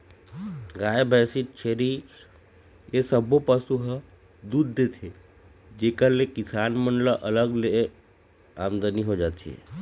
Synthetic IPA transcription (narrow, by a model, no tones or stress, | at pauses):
ɡajebʱɛsiʈt͡ʃʰeɾi | esəbopəsuɦ | d̪ud̪ːet̪ʰe | d͡ʒekəɾlekisanmənləʔələɡlee | amd̪əniɦod͡ʒat̪t͡ʃʰiḛ